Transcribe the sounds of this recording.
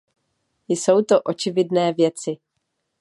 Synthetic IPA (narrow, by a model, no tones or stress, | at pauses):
jso̞wt̪o̞ʔo̞t͡ʃɪvɪdnɛːvjɛt͡sɪ